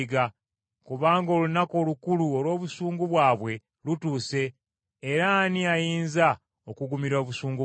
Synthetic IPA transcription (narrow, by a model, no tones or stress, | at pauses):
ɡa | kuβaːŋɡo̞ːlunako̞ːlukuluo̞lwo̞ːβusuːŋɡuβwaːβwe̞ | lutuːse̞ː | ɾaniajiːnza | okuɡumiɾo̞ːβusuːŋɡu